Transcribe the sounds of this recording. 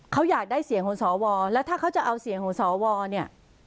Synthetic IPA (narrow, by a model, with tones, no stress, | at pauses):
kʰa˦˥wjaː˨˩k̚daː˥˩jsi˩˦ŋkʰɔ˩˦ŋsɔː˩˦wɔː˧lɛ˦˥wt̪ʰaː˥˩kʰa˦˥wt͡ɕa˨˩ʔa˧wsi˨˩˦əŋkʰɔː˩˦ŋsɔː˩˦wɔː˧ni˥˩ɐ